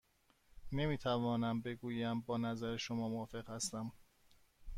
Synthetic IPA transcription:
nemiːt̪ʰævɒːnæmbe̞ɡuːjæmbɒːnæzæɾeʃomɒːmoɒːfe̞ɣhæst̪æm

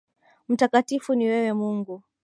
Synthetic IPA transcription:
m̩takatifuniwɛwɛmuŋɡu

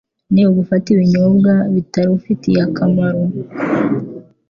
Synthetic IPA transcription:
niβoβufatiβiɲobɡaβitaɾiufitijakamaɾo

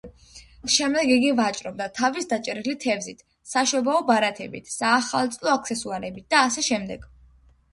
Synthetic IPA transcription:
ʃɛmd̪ɛɡiɡivat͡ʃʼɾɔbd̪at̪ʰavisd̪at͡ʃʼɾilit̪ʰɛvzit̪ʰ | saʃɔbaɔbaɾat̪ʰɛbḭt̪ʰsaːχalˠt̪sʼlˠɔak̚ʰt̪sʰɛsuaɾɛbit̪̚d̪̥aːsɛʃɛmd̪ɛɡ̥

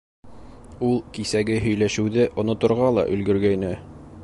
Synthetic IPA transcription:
ulˠkisæɡɘɦɵ̆jlæʃɘ̆wðɘʔŏnŏt̪ŏɾʁɑlˠɑ̰ʔɵ̆lɡɵ̆ɾɡæjnɘ

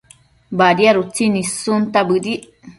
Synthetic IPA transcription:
baɾiaɾut͡sinisunt̪abɨɾiʔ

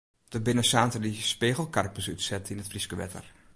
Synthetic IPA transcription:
d̥əbɪnəsaːntədispeːɣəlˠkarpəsytsɛtʰinətfriskəʋɛ̰tʰə̰r

